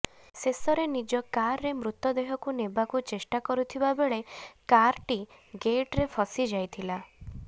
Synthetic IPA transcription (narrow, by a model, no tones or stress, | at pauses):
sesɔɾenid͡ʒɔkaɾːemɾut̪ːɔd̪eɦɔkunebakut͡ʃesʈakɔɾut̪ʰibabeɭekaɾʈiɡeʈɾepʰɔsid͡ʒajt̪ʰila